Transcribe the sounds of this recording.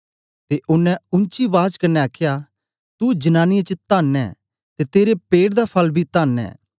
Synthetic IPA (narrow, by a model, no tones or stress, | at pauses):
t̪eːʔʊnɛ̃ʊ̃nt͡ʃibaːd͡ʒkɐnːɛaːkʰja | t̪ud͡ʒənaːnɪjet͡ʃət̪aːnɛ̰ː | t̪et̪eːɾepeːɽd̪apʰɐlbʱit̪aːnɛ̰ː